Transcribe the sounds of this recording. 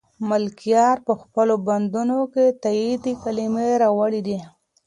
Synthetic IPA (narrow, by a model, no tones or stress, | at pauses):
mʊlkijɑɾpəxpəloband̪unoket̪ajid̪ikalimeɾɑwaɽid̪i